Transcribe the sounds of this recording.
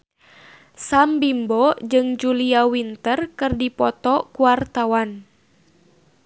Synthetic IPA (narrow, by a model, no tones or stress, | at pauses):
sambimbɔd͡ʒɨŋd͡ʒuliawint̪ərkɨrdipɔt̪ɔkuart̪awan